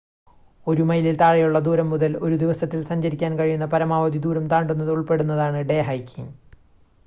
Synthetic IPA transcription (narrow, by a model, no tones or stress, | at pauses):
o̞ɾumɐjlilt̪aːɻɐjuɭːɐd̪uːɾɐmːuðɐlo̞ɾud̪iʋɐsɐt̪ːilsɐɲd͡ʑɐɾikʲːaːnkɐɻijunːɐpɐɾɐmaːʋɐd̪id̪uːɾɐmt̪aːɳɖunːɐðuɭpe̞ɽunːɐðaːɳɨɖe̞ːɦɐjkʰʲːiŋ